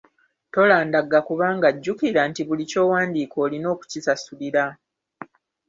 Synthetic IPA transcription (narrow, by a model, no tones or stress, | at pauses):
to̞laːndaɡakuβaːŋɡaɟːukiɾantiβulico̞ːwaːndiːkʰo̞ːlino̞ːku̥cisasuliɾa